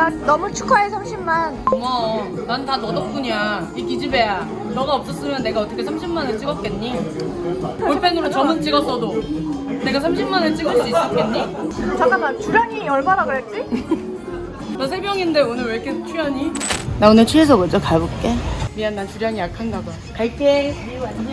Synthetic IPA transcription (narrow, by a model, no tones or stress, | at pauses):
annʌmut͡ɕʰu̥kʰaesʰamɕʰimmanmʌ | nanɯtanʌdʌp̚k͈uɲa | ikid͡ʑibe̞ja | nʌɡaʌp̚s͈ʌs͈ɯmjʌnːe̞ɡaʌt͈ʰʌkʰe̞sʰamɕʰimmanɯɭt͡ɕ͈iɡʌp̚k͈e̞nɲi | uɭpʰe̞nɯɾot͡ɕʌmɯnt͡ɕ͈iɡʌs͈ʌdone̞ɡas̬ʰamɕʰimmanɯɭt͡ɕ͈iɡʌs͈is͈ʌk͈̚e̞nɲit͡ɕak͈anant͡ɕuɾjʌɲiʌɭmaɾaɡɯɾat͡ɕ͈i | nas̬ʰebjʌŋinde̞onɯɭweɭk͈ʰet͡ɕʰujʌɲinaonɯɭt͡ɕʰues̬ʰʌɡɯd͡ʑokabop̚k͈e̞mianːantuɾjaŋijakʰanɡaba | kaɭk͈e